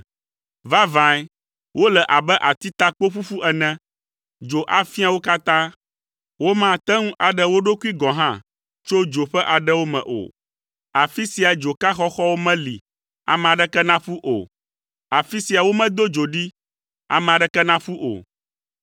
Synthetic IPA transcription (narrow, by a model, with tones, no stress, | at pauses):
va˦vã˨˦j | wʔo˦lɛ˨ʔa˨bɛ˦ʔa˨t̪i˦t̪a˦k͡po˦ɸu˦ɸu˦ʔɛ˨nɛ̃˦ | d͡ʒo˨ʔa˨fi˦a˨wo˦ka˦t̪ã˦ | wo˦mã˦˨t̪ɛ˦ŋũ˦ʔa˨ɖɛ˦wo˦ɖo˦ku˦i˦ɡɔ̃˨ɦã˦ | t͡ʃo˦d͡ʒo˨ɸɛ˦ʔa˨ɖɛ˦wo˦mɛ̰̃˨ʔo̰˨ | a˨fi˦si˨a˨d͡ʒo˨ka˦xɔ˦xɔ˦wo˦mɛ̃˦lḭ˨ | a̰˨mɛ̃˨ã˨ɖɛ˦kɛ˦nã˦ɸu˦ʔo̰˨ | a˨fi˦si˨a˨wo˦mɛ̃˦d̪o˦d͡ʒo˨ɖi˦ | a̰˨mɛ̃˨a˨ɖɛ˦kɛ˦nã˦ɸu˦ʔo̰˨